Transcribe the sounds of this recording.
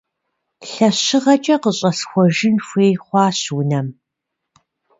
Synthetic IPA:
ɬɐɕɪʁɐt͡ʃʼɐqəɕʼɐsxʷɔʒɪnfʷeːjχʷɑːɕwʊnɐm

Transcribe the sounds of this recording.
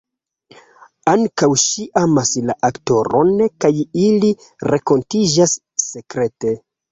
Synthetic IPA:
aŋkawʃiʔamaslaʔakto̞ɾo̞nkajili | ɾʔe̞ko̞ntid͡ʒasː | e̞kɾe̞te̞

